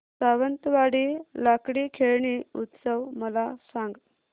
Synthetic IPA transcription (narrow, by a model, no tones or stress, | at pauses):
saʋənt̪ʋaɽilakɽikʰeɭɳiut̪səwməlasãŋɡ